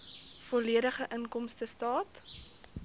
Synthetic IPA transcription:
fɔliəɾəχəʔənkɔmstəstɑːt

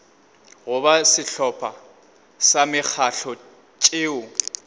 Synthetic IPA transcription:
ɣʊbasɪɬɔpʰa | samɪk͡xʰaɬʰɔ | t͡ʃʼɪːʊ

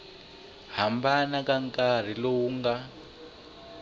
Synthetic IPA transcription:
hambanakaŋkʼar̤ilowuŋɡa

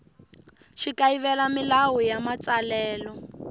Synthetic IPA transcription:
ʃikaiβɛlamilawɔjamat͡salɛːlɔ

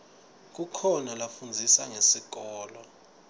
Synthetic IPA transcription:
k̬ukʰɔnalafund͡zʱisaŋesik̬ɔːlɔ

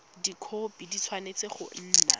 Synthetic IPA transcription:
dikʰopidit͡sʰwanet͡seχʊ̰n̩ːna̰

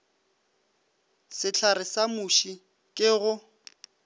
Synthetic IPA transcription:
sɪt͡ɬʰarɪsamuʃi | kʼɪɣʊ

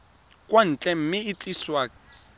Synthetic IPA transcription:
kʼwan̩t͡ɬʼɛm̩mɪːt͡ɬʼiswaːkʼɛ

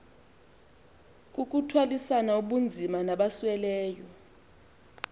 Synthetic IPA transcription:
k̬ʼuk̬ʼutʰwalisanauɓund͡zʱimanaɓaswɛlɛːjɔ

